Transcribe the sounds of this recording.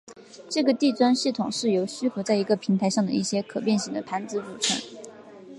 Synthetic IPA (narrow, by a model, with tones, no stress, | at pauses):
ʈ͡ʂɤ˥˩ɡə˩t̪i˥˩t͡swa˥nɕi˥˩t̪ʰʊ˨˩ŋʂɻ̩˥˩jo˧˥ʊɕy˥xɤ˧˥t͡sa˥˩ɪi˧˥ɡə˧pʰi˧˥ŋt̪ʰa˧˥ɪʂɑ˥˩ŋd̪ə̰˩ʔi˥˩ɕjɛ˥kʰɤ˨˩pjɛ˥˩nɕi˧˥ŋd̪ə˧pʰa˧˥nt͡sɹ̩˧˥ʈ͡ʂu˨˩ʈ͡ʂʰə̰˧˥n